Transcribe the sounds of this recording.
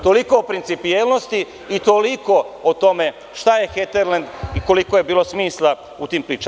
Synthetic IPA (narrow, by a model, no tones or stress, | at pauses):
t̪o̞liko̞ːpɾint̪sipijelˠnost̪iː | t̪oliko̞ot̪o̞me̞ | ʃt̪aje̞xet̪eɾland̪iko̞liko̞je̞biːlo̞smiːslˠa | ut̪iːmpɾiːt͡ʃ